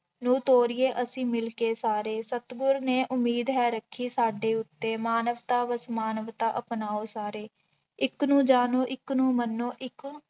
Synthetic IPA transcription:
nũːt̪oːɾɪjeːʔəsĩːmɪlkeːsaːɾeːsət̪ɡʊɾneːʔʊmiːd̪ɦɛːɾəkʰːiːsaːɖeːʊt̪ːeːmaːnəʋt̪aːʋəsmaːnəʋt̪aːʔəpnaːoːsaːɾeː | ɪknũːd͡ʒaːnoːʔɪknũːmənːoːʔɪk

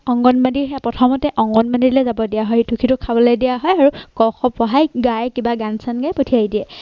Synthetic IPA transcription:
ɔŋɡɔnbandiɹɛpɹɔtʰɔmɔtɛʔɔŋɡɔnbandiɹlɛzabɔdijaɦɔjtʰukʰitʊkʰabɔlɔjdijaɦɔjaɹukɔxɔpɔɦajɡajkibaɡansanɡajpotʰiaidiɛ

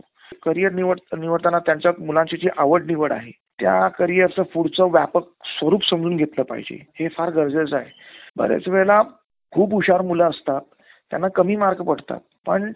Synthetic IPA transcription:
kəɾijəɾniʋəɽniʋəɽt̪anat̪jaɲt͡ɕjamulãɲt͡ɕet͡ɕiʔaʋəɖniʋəɽa̰ɦe | t̪ja̰kəɾijəɾt͡səfuɽt͡sɔʋja̰pək̚sʋəɾuːpsəmd͡zuːnɡʱet̪ləːpa̰ɦid͡ʑḛhefaɾɡʱəɾd͡zəd͡zajbə̰ɾḛt͡sʋeɭla | kʰuːbuɕaɾmuləəst̪at̪ː | ja̰nːakəmiːmaɾɡpəɽ̤t̪a̰t̪̚pəɳ

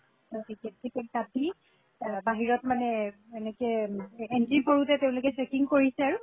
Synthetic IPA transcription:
otiket̚sipɛk̚tati | baɦiɹɔtmanɛ | enɛkɛɛntipʰoɹutɛteʊ̃lokɛsekiŋkoɹisɛaɹu

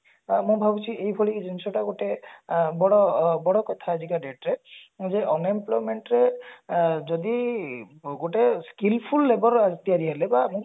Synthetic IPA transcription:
mũbʱabut͡ʃʰiʔejbʱɔɭid͡ʒensɔʈaɡoʈebɔɽɔbɔɽɔkɔt̪ʰaazikaɖeʈɾɛzeʔɔnemplɔjmeɳʈɾe | d͡ʒɔd̪i | ɡoʈeskilpʰulːebɔɾat̪iaɾiɦɛlɛbamũ

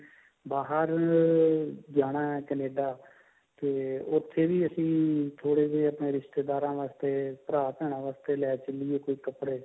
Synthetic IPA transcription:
baːɦəɾ | d͡ʒaːɽ̃aːɛːkɛneːɖaː | t̪eːʊt̪ʰːeːʋiːəsĩːt̪ʰoːɽeːd͡ʒeːəpneːɾɪʃʈ̪eːd̪aːɾãːʋaːst̪eːpəɾaːp̪ɛːɽ̃ãːʋaːst̪eːlɛːt͡ʃəliːeːkoːiːkəpɽeː

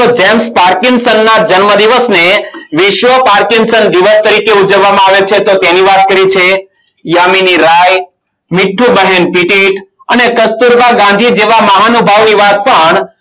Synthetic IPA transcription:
od͡ʒɛmspaɾkɪŋsənːad͡ʒənməd̪iʋəsneʋɪʃʋəpaɾkɪŋsənd̪iʋəst̪əɾikeud͡ʒəʋːamãaʋet͡ʃʰet̪ot̪janiʋat̪̚kəɾit͡ʃʰe | jaminiɾaj | mɪʈʰːubəɦɛnpiʈiʈ | ənekəst̪uɾbaɡãnd̪ʱid͡ʒeʋaməɦanubʱaʋniʋat̪̚pəɳ

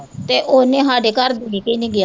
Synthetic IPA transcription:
t̪eːʔoːnẽːɦaːɖeːkəɾd̪eɡiːkiːnẽːɡɪjaː

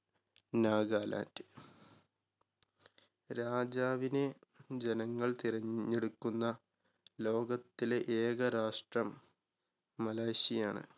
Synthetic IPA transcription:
naːɡaːla̰ːndɨ̥ | ɾaːd͡ʑaːʋined͡ʑenɐŋːɐɭt̪iɾɐɲːe̞ɽukːunːɐ | lo̞ːɡɐt̪ːileʔeːɣɐɾaːʂʈrɐmː | ɐlaːjɕijaːɳɨ̰

